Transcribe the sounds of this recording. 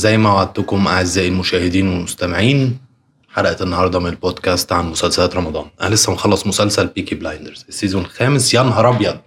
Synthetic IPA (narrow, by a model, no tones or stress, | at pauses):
zæjːmæwaʕad̪̚t̪ʊkʊmʔaʕɪzːæːʔɪlmʊʃæːhɪd̪iːnwelmʊst̪æmɪʕiːn | ħɑɾˤɑʔæt̪enːɑhɑːɾˤd̪ˤɑmɪnɪlboːd̪kæːst̪ʕanmʊsælsælæːt̪ɾˤɑmɑd̪ˤɑ̰ːnʔæ̰ælesːæmxɑlːɑsˤmʊsælsælpiːkiblajnd̪eɾz̥sːizonxæːmɪsjɑnɦɑɾˤʔɑbjɑd̪̚